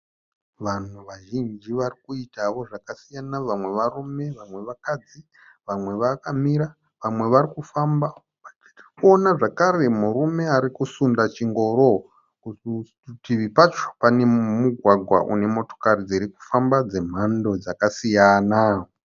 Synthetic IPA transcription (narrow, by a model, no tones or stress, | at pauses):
ʋan̤uʋaʒind͡ʒiʋarikuitaʋo̞ʐakasijanaʋamwe̞ʋarume̞ʋamwe̞ʋakad͡zi | ʋamwe̞ʋakamiɾa | ʋamwe̞ʋaɾikufamba | ai̥rirkuonaʐakaɾe̞murume̞aɾikusundat͡ʃiŋɡo̞ɾo̞ | ku | tiʋipat͡ʃo̥pane̞muɡʱwaɡʱwa̰ʔṵne̞mo̞to̞̥karid͡ziɾiku̥fambad͡ze̞m̤ando̞d͡zakasijana